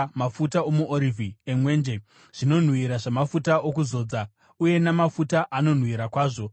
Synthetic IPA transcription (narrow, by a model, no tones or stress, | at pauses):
mafutao̞muoɾivʱiemwe̞ːnd͡ʒe | ʐ̥ino̞n̤wiɾaʐamafutao̞k̬uzo̞ːd͡za | uje̞namafutaʔano̞n̤wiɾakwaːʐo̞